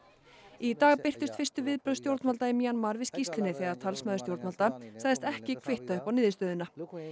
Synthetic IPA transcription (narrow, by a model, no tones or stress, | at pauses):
it̪aːɣpɪr̥t̪ɪst̪fɪr̥st̪ʏvɪðpɾœðst̪jowɾt̪nmalt̪aɪmianmaɾvɪðscist̪lɪnɪθɛɣaɾt̪ʰalsmœðʏst̪jowɾt̪malt̪asaɣðɪst̪ɛhcɪkʰvɪht̪aʏhpawnɪːðɪst̪œːðɪna